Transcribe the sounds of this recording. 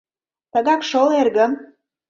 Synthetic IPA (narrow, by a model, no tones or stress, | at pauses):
t̪ə̆ɣɑkʃolerɣə̆m